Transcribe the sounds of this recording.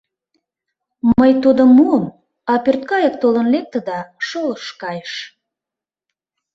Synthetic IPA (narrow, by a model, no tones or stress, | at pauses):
məjt̪ud̪əmːuəm | ɑpørt̪̚kɑjək̚t̪olənlek̚t̪ə̆d̪ɑʃoləʃkɑjəʃ